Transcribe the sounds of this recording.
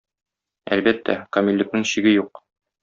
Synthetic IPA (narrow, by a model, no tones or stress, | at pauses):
æ̰lbæt̪ːæ̰kɐmʲilʲːɘ̆k̚nɘŋɕiɡɘjuq̚